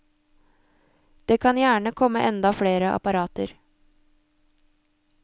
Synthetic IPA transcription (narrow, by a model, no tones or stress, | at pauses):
d̪̥eːkʰɑnjæːɳəkʰɔmːəʔɛnd̪ɑfɽeːɾəʔɑ̰pɑɾɑːt̪əɾ